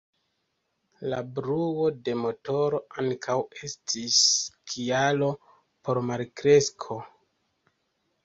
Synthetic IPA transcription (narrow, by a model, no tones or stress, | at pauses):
labɾuo̞de̞mo̞to̞ɾo̞ʔaŋkʰawe̞stʰiskʰialo | po̞ɾmalkɾe̞skʰo̞